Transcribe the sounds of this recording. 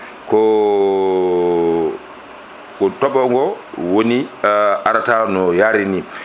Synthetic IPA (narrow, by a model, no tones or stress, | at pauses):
kɔ | kɔtɔbɔŋɡɔwoniaɾatanɔjaɾini